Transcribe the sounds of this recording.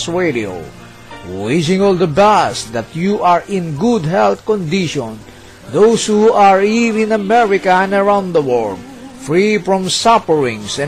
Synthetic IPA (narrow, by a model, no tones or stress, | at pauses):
sɹedio̰ | wɪʃɪ̃ŋɔld̪əbasd̪at̪juʔaɹɪ̃nɡud̪ɦɛlθkɔ̃nd̪iʃɔ̃n | d̪oshuaɹivɪ̃namɛɹɪkaɛ̃nəɹãw̃nd̪d̪əwɔld | fɹifɹɔ̃msapəɹɪ̃ŋsɛ̃